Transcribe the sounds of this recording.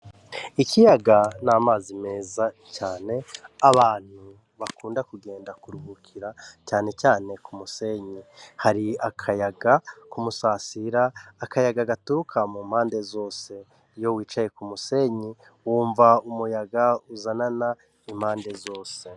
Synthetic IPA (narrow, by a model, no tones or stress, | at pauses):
ikʰijaɡanaːmaːzime̞ːza | caːne̞aβaːn̥hu | βakuːndakuɡe̞ːndakuɾuɡukʰiɾacaːne̞t͡ʃaːne̞kʰumuse̞ɲihaɾiakʰajaɡakumusaːsiɾaːkajaɡaɡatukʰamum̥haːnde̞zo̞ːse̞ | jo̞wiːt͡ʃaje̞kumuse̞ɲi | wuːɱvaumujaɡauzanana | im̥haːnde̞zo̞ːse̞